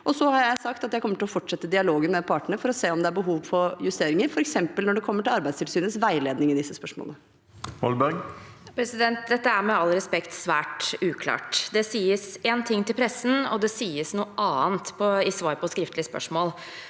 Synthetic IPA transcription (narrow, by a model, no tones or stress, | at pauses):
ʔɔsɔhɑɾjæɪsɑkt̪ɑt̪jæɪkʰɔmːəʈɪlɔfɔʈːʂɛt̪ːəd̪ɪɑloːɡənmɛpʰɑːʈəɳəfɔɾɔseːɔmd̪ɛæɾbəɦuːʋfɔɾjʉst̪eːɾɪŋəɾfɔɾɛksɛmpəlnɔɖɛkʰɔmːəʈɪlɑɾbæɪst̪ʰɪlsyːnəsʋæɪleːd̪nɪŋɪd̪ɪsːəspœʂmɔ̰lənə | hɔlbœɡ | pʰɾɛsɪd̪ɛnt̪̚d̪ɛt̪ːəæɾmɛɑlɾɛspɛkt̪sʋæːʈʉːkʰlɑ̰ːʈd̪ɛsiːəseːnt̪ʰɪŋːt̪ɪlpʰɾɛsːən̩ɔ̰d̪ɛsiːəsnuːəʔɑːənt̪pʰɔɪsʋɑːɾpʰɔskɾɪft̪lɪəspœ̰ʂmoːl